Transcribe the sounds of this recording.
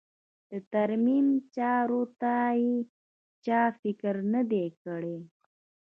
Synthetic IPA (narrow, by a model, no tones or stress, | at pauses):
d̪̥ət̪aɾmimt͡ʃɑɾot̪aje | t͡ʃɑfɪkɾnəd̪ekəɽe